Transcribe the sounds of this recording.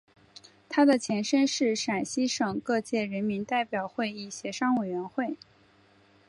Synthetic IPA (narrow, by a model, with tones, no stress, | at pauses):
t̪ʰa˥d̪ə˨t͡ɕʰjɛ˧˥nʂə˥nʂɻ̩˥˩ʂa˨˩nɕi˥ʂɤ˨˩ŋkɤ˥˧t͡ɕjɛ˥˩ɻə˧˥nmi˧˥nt̪a˥˩ɪpjɑ˨˩ʊxwe˥˧ɪi˥˩ɕjɛ˧˥ʂɑ˥ŋwe˨˩ɪɥɛ˧˥nxwe˥˩ɪ